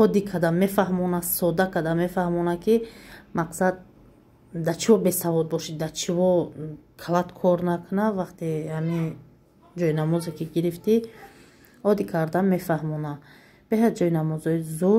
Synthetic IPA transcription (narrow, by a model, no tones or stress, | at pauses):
ɔd̪ikʰad̪amefaɦmɔnasɔd̪akʰad̪ame̞fahmɔnakʰimaqsad̪̚ː | at͡ʃʰivɔbe̞savɔd̪̚bɔʃid̪at͡ʃʰivɔkʰalat̪kʰɔɾnakʰunavaχt̪ihami | d͡ʒɔjnamɔzekiɡiɾift̪i | ɔd̪ikʰaɾd̪ame̞fahmɔna | b̥eɦad̪d͡ʒɔinamɔzɔizu